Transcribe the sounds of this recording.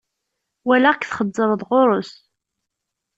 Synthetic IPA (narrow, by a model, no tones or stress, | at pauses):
wælækθχəd̪ˤːəɾˤðˤʁoɾˤʊs